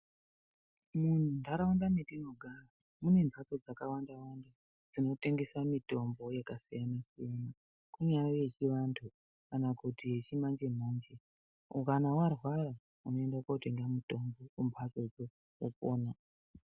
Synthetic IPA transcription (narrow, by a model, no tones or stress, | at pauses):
mun̤undaɾaundanedinoɡʱara | mune̞mbʰʱaso̞d͡zakawandawanda | d͡zino̞te̞ŋɡesamito̞mbo̞jakasijanasijana | kuɲajoje̞t͡ʃiʋantʰu | kanakutije̞t͡ʃimand͡ʒe̞m̤oːnd͡ʒe | okanawarwaɾa | uno̞e̞ndakaute̞ŋɡamuto̞mbo̞kumbʰʱaso̞d͡zo | opo̰ːna